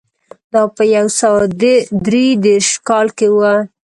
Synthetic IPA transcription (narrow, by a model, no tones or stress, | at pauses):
d̪ɑpəjawsawad̪ɾid̪eɾʃkɑlkewə